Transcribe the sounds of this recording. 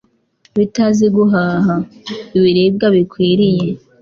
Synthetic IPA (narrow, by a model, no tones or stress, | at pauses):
βitaziɡuɦaːɦaiβiɾeb̚ɡaβikwiːɾije̞